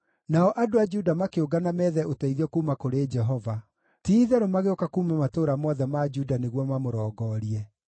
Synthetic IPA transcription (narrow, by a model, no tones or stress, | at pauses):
naɔʔadoad͡ʒudamakeoɡanamɛðɛotaiðiɔkuːmakoɾeːd͡ʒɛɦɔva | tiːðɛɾomaɣeokakuːmamatoːɾamɔðɛmad͡ʒudaneɣwɔmamoɾɔːɡɔːɾiɛ